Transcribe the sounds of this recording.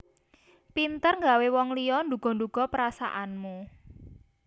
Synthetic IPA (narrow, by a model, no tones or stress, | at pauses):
pint̪ərŋɡawewɔŋlijɔnd̪uɡ̥ɔ̤ɳd̪uɡ̥ɔ̤pəɾasa̰ʔanmu